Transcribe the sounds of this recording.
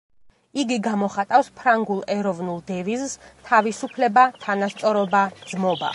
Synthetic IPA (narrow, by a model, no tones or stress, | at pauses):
iɡiɡamɔχat̪ʼafspʰɾaŋɡulˠɛɾɔvnulˠd̪ɛvizst̪ʰavisupʰlɛbat̪ʰanast̪sʼɔɾɔbad̪zmɔba̰